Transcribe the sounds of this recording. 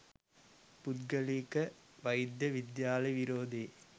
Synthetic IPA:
pʊd̪ɡɐlikɐʋɐjd̪jɐʋɪd̪jaːlɐɪjʋiɾoːd̪e

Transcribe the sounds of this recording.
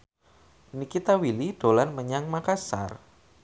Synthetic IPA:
nikit̪awiliɖ̥olanməɲaŋmakasa̰r

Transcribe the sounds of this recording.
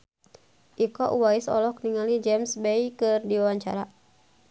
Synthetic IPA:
ʔikɔʔuwaisɔ̰lɔk̚niŋalid͡ʒɛmsbɛikɨrdiwawaɲt͡ʃa̰ɾa

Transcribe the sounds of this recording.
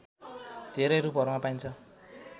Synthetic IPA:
d̪̥ʱeɾʌjɾup̬ʌɾumapajnt͡sʰʌ

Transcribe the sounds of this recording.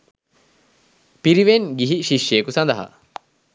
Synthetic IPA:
piɾiʋenɡiɦiʃiʃːeːkusɐnd̪ɐɦɐ̰

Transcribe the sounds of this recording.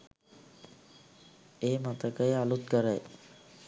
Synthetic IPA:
eːmat̪əkəjalut̪̚kəɾəj

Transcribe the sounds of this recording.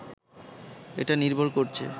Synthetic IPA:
eʈaniɾbʱoɾkoɾt͡ɕʰḛ

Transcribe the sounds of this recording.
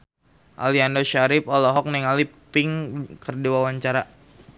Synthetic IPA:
ʔa̰liandɔʃaɾɪpɔlɔɦɔk̚nɛŋalipɪŋkərdiwawaɲt͡ʃaɾa

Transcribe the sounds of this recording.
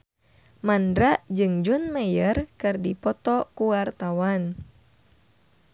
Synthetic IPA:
mandɾaʔd͡ʒɨŋd͡ʒunmɛjərkɨrdipɔt̪ɔkuwart̪awan

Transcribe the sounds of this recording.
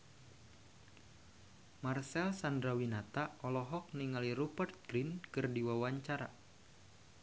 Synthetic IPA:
marsɛlsandɾawinat̪aʔɔlɔɦɔk̚niŋaliɾupərt̪̚ɡ̥ɾinkɨrdiwawaɲt͡ʃaɾa̰

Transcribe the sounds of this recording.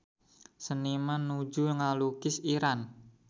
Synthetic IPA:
sənimanːu̥d͡ʒuŋalukɪsiɾan

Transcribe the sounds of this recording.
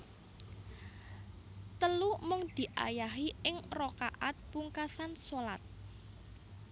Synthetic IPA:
t̪əlumʊŋd̪̥i̤ʔa̰jaɦiɪŋrokaʔat̪̚puŋkasansolat̪̚

